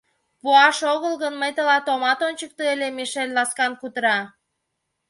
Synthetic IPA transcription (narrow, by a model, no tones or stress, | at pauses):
puɑʃoɣəlɣənməjt̪əlɑt̪omɑt̪onʲt͡ɕək̚t̪oelʲemiʃelʲlɑskɑnkut̪əɾɑ